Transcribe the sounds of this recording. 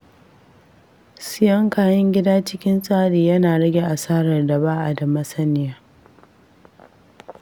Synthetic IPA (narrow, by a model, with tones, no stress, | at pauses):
sɪ˦jɐ˦ŋkaː˨jɐ˦ŋɡʲɪ˦daː˦t͡ʃɪ˦kʲɪ˦nsʼaː˦ɽiː˨jɐ˦naː˨ɽɐ˦ɡʲe˨ʔa˨saː˦ɽɐ˨rda˨baː˦ʔa˨da˨mɐ˦sɐ˦nɪ˦jaː˦